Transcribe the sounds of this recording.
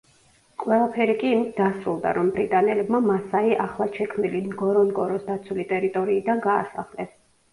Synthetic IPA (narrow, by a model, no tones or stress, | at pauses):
kʼwɛlˠapʰɛɾikʼiːmit̪̚ʰd̪asɾulˠd̪a̰ɾɔmbɾit̪ʼanɛlɛbmamasaiʔaχlˠaʃɛkʰmilinɡɔɾɔnɡɔɾɔsd̪at̪sʰulit̪ʼɛɾit̪ʼɔɾiːd̪anɡa̰ːsa̰χlɛs